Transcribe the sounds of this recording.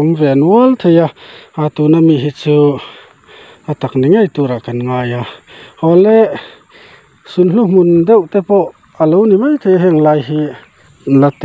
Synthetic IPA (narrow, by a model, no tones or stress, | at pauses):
ɔmvɛnwɔlt̪ʰejaat̪unamiɦit͡su | ʔat̪akniŋajt̪uɾaʔkanŋaːjahɔlɛ | sunɬuhmund̪ɛwt̪ɛpɔʔ | alownimajt̪ʰejaɦiŋlajɦi | lat̪ː